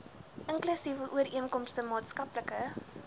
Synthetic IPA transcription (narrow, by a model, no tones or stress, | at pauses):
ʔəŋklysivəʔuəɾiənkɔmstəmɑːtskɐpləkə